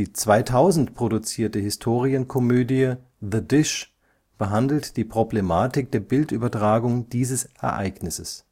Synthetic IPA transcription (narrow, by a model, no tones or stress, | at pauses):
iːt͡sv̥aɪtʰaʊzn̩tpʁ̥odut͡siːɐtəhɪstʰoːʁ̞iənkʰɔmøːdiə | ðədɪʃ | b̥əɦandl̩td̥iːpʁ̥oblemaːtɪk̚d̥eːɐbɪltʔyːbɐtʁ̥aːɡʊŋd̥iːzəsɛɐʔa̰ɪɡnɪsəs